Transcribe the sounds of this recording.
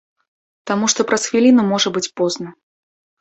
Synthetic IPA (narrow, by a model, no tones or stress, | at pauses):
t̪amuʂt̪ɔpɾɐsxvʲilʲinumɔʐɐbɨt͡sʲpɔznɐ